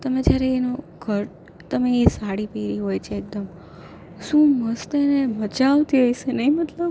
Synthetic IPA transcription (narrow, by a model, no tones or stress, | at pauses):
t̪əmẽd͡ʒjaɾeːno | ɡʱəɾ | t̪əmeːsaɽipeɾiɦojt͡ʃʰeek̚d̪əm | ʃũməst̪enemət͡ʃaʋt̪iɦojsenəimət̪ləb